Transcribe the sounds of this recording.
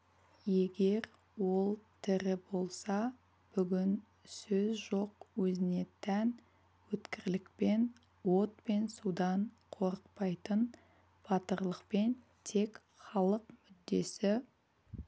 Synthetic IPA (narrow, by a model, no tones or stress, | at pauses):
je̞ɡʲe̞ɾ | wo̞lˠt̪ʰɪɾɪbo̞lˠsɑ | b̥ʏɡʲɪn | sɵzʒo̞qwɵzɪne̞t̪ʰæn | wɵt̪kʲɪɾlɪk̚pe̞n | wo̞t̪̚pe̞nsud̪ɑɴ | qʰo̞ɾəq̚pɑjt̪ən | b̥ɑt̪əɾlˠəqpe̞n | t̪ʰe̞k | χɑlˠəqmʏd̪ːe̞sɪ